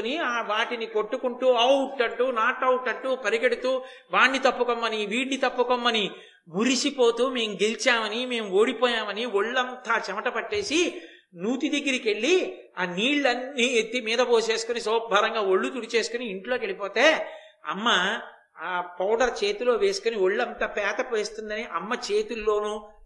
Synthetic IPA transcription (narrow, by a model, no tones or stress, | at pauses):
uniaːʋaːʈinikoʈːukuɳʈuːɐuʈːɐɳʈːuːnaːʈɐuʈːɐɳʈːuːpɐɾiɡeɽut̪uː | ʋaːɳnit̪ɐpːukomːɐniʋiːʈnit̪ɐpːukomːɐni | muɾisipoːt̪uːme̞ːmuɡelit͡ʃaːmɐnime̞ːmuo̞ːɽipɔːjaːmɐnioɭːɐnt̪aːt͡ʃɛmɐʈɐpɐʈːe̞ːsi | nuːt̪id̪eɡːiɾike̞ɭːi | aːniːɭːɐnːiːet̪ːimiːd̪ɐpoːse̞ːsu̥kunisɔːbʱɐːɾɐŋɡaːoɭːut̪uɽit͡ʃe̞ːsu̥kuniːɳʈlo̞ːk̬eɭipoːt̪eː | ɐ̰mːɐː | pɐwɖɐɾt͡ʃeːt̪ulo̞ːʋe̞ːsu̥kunioɭːɐnt̪aːpɛːt̪ɐpʋeːst̪und̪ɐniʔɐmːɐt͡ʃeːt̪ulːo̞ːnu